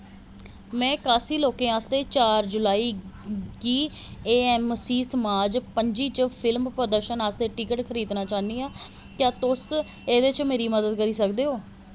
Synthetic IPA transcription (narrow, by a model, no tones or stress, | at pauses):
mɛ̃ːkaːsiːloːkẽːaːst̪eːt͡ʃaːɾd͡ʒʊlaːiːɡiː | eːɛːmsiːsəmaːd͡ʒpəɲd͡ʒiːt͡ʃpʰɪlmpɾəd̪əɾʃənaːst̪eːʈɪkəʈkʰəɾiːd̪naːt͡ʃaːniːaː | k̪jãːt̪ʊs | eːd̪et͡ʃmeːɾiːməd̪əd̪kəɾiːsəkd̪eːɦoː